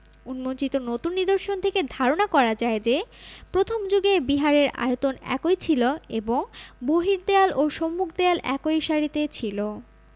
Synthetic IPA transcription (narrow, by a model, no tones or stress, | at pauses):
unmont͡ɕit̪onot̪unːid̪oɾʃont̪ʰeked̪ʱaɾonakɔɾad͡ʑaed͡ʑepɾot̪ʰomd͡ʑoɡebiɦaɾeɾa̰ot̪onɛ̰kojt͡ɕʰiloeboŋboɦiɾd̪ealoʃomːukʰd̪ealɛ̰kojʃaɾit̪et͡ɕʰilo